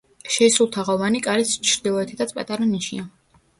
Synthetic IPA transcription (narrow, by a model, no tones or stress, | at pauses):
ʃɛsulˠt̪ʰaʁɔvanikʼaɾɛst͡ʃʰɾd̪ilˠɔɛt̪ʰi̥t̪ʰat̪sʰpʼa̰t̪ʼaɾaniʃḭa